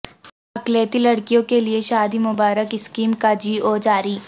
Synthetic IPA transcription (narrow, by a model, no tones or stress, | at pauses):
ɐkleːt̪ilɐɽkijõkelieʃaːd̪imʊbaːɾəkɪskiːmkad͡ʒiːʔoːd͡ʒaːɾiː